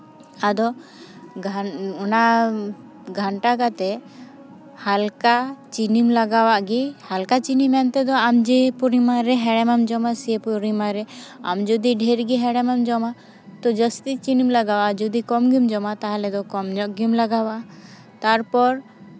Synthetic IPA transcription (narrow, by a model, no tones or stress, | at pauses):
ad̪ɔ | ɡʱuna | ɡʱaɳʈakat̪ɛ | halkat͡ʃinimlaɡawaʔɡihalkat͡ʃinimɛnt̪ɛd̪ɔamd͡ʒipuɾimaɾɛɦɛɽɛmamd͡ʒɔmasiepuɾimaɾɛa̰md͡ʒɔd̪iɖʱɛɾɡiɦɛɽɛmamd͡ʒɔma | t̪ɔd͡ʒəst̪it͡ʃinimlaɡawad͡ʒɔd̪ikɔmɡimd͡ʒɔmat̪aɦalɛd̪ɔkɔmd͡ʒɔʔɡimlaɡawaʔ | t̪aɾpɔɾ